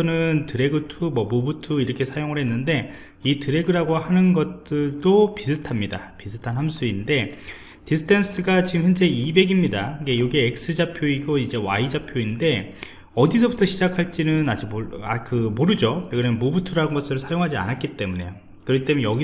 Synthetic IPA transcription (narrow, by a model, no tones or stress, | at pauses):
ʌnɯntɯɾe̞ɡɯtʰumwʌmubutʰuiɾʌkʰe̞sʰajoŋɯɭɦe̞nːɯnde̞ | itɯɾe̞ɡɯɾaɡoɦanɯnɡʌt͈ɯɭd͈opisʰɯtʰamɲida̰pisʰɯtʰanɦams͈ʰuinde̞ | tisʰɯ̥tʰens͈ɯɡat͡ɕiɡɯmçjʌnd͡ʑe̞ibe̞ɡimɲidaɡejoɡeek̚s͈ɯd͡ʑapʰjoiɡoid͡ʑe̞waid͡ʑapʰjoinde̞ | ʌdisʰʌbutʰʌɕʰid͡ʑakʰaɭt͡ɕ͈inɯnad͡ʑimoakɯmoɾɯd͡ʑojoɡɯɾɯnmubutʰuɾaɯnɡʌs͈ɯɾɯɭsʰajoŋɦad͡ʑia̰nat̚k͈it͈e̞mune̞̰jo | kɯɾʌkʰit͈emnjʌɡi